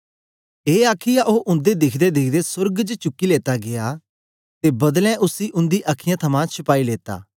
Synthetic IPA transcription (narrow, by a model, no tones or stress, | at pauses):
eːaːkʰɪjaʔoːʔʊ̃nd̪ed̪ɪkʰd̪ed̪ɪkʰd̪esʊɾɡd͡ʒt͡ʃʊkːileːt̪aɡeja | t̪ebɐd̪lɛ̃ʔʊsiʔʊ̃nd̪iʔaːkʰɪjãt̪ʰɐmãt͡ʃʰʊpaːileːt̪a̰ː